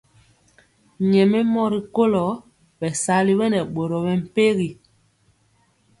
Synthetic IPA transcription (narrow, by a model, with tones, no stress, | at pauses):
ɲɛ˨mɛ˦mɔ˦ɾi˦˨ko˦lɔ˨˦ | bɛ˨sa˨˦li˦bɛ˦nɛ˨ɓo˨ɾɔ˨bɛ˨m̩˨pe˦ɣi˨